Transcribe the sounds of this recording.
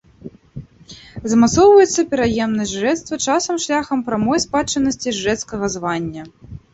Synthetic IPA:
zɐmat̪sɔwvɐjɛt̪sːɐpʲɛɾajɛmnɐʒʐɛt̪st̪vɐt͡ʂasɐmʂlʲaxɐmpɾamɔjspat͡ʂɐnɐsʲt͡sʲiʐːɛt̪skɐɣɐzvanʲːɐ

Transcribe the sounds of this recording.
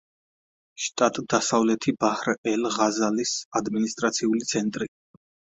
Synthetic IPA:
ʃt̪ʼat̪ʼd̪asavlɛt̪ʰibahɾɛlʁazalisad̪minist̪ʼɾat̪sʰiulit̪sʰɛnt̪ʼɾi

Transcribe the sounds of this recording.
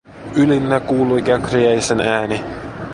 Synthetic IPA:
ylinːækuːlujkækriæsenæːni

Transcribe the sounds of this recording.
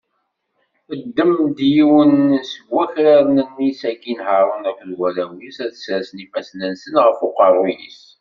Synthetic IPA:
əd̪ːəmd̪jiwənsəɡʷːæçɾaɾnənːisækːinɦəɾˤənækʷðwælæwisæθəsɾsnifæsnənsənʁəfoqɑrˤʊjḭs

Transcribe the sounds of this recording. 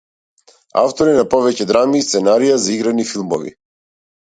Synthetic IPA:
a̰ft̪ɔɾinapɔvɛcɛd̪ɾamist̪sɛnaɾijazaiɡɾanifilˠmɔ̰vḭ

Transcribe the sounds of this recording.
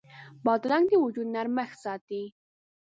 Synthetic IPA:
bɑd̪ɾɑŋɡd̪iwʊd͡ʒud̪naɾmaxsɑːt̪i

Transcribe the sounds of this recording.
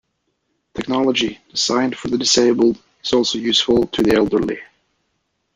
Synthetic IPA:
tʰɛk̚nɑlˠəd͡ʒid̥ɨz̥ãɪ̃nd̥fə˞ðɨdɨseɪbəl̩ˠd | ɨz̥ɔlˠsoʊjʉsfəl̩ˠtʰɨðiɛlˠdə˞lḭ

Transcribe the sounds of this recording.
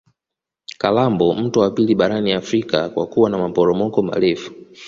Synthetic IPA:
kalambɔm̩tuwapiliɓaɾaniafɾikakwa̰kuwanamapɔɾɔmɔkɔma̰lɛfu̥

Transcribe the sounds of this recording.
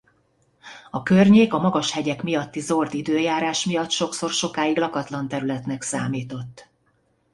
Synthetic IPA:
ɒkørɲeːkɒmɒɡɒʃhɛɟɛkmijɒt̪ːizo̞rd̪id̪øːjaːɾaːʃmijɒt̪ʃo̞kso̞rʃo̞kaːiɡlɒkɒt̪lɒnt̪ɛɾylɛt̪nɛksaːmiːt̪o̞t̪ː

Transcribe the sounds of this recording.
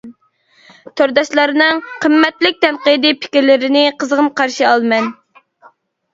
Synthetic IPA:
t̪ʰøɾd̪ɑʃlˠɑɾnɨŋqʰəmːɛt̪lɪk̚ʲt̪ʰɛnqəd̪ɨpʰɪ̥kʲiɾlɪɾɪnɪqʰəzəʁəmqʰɑɾʃiɑlˠmɛn

